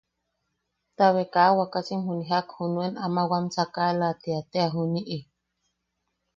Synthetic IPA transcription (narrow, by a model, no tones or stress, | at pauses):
t̪aβekawakasimɦuniɦakhunuenamawansakaelat̪eat̪eaɦuniʔi